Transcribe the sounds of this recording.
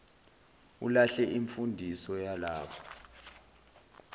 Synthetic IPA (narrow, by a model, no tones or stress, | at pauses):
ṵlaɬɛʔiɱfundʱisɔjalaːɓʰɔ